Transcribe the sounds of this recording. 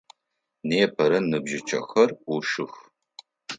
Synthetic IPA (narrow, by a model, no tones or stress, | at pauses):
neːpʰɐɾɐnɨbʒɪt͡ʃʰɐ̰xɐruʃɨx